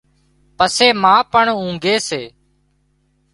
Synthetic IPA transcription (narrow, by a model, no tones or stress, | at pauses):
pəseːmãːpəɳũːŋɡeːseː